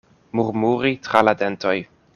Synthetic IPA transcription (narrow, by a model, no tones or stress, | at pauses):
muɾmuɾitɾaladentoj